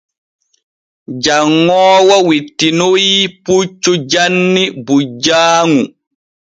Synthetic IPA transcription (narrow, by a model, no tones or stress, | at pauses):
d͡ʒaŋːɔːwawitːinojiput͡ʃːud͡ʒanːibud͡ʒaːŋu